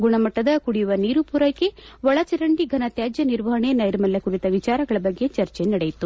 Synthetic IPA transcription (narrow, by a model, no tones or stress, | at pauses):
ɡuɳɐmɐʈːɐd̪ɐkuɽijuʋɐniːɾupuːɾɐjke̞ʋɔɭɐt͡ʃɛɾɐɳɖiɡʱɐnɐt̪jaːd͡ʒjɐniɾʋɐɦɐɳe̞nɐjɾɐmɐlːɐkuɾit̪ɐʋit͡ʃaːɾɐɡɐɭɐbɐɡːe̞t͡ʃɐɾt͡ʃenɐɽejit̪u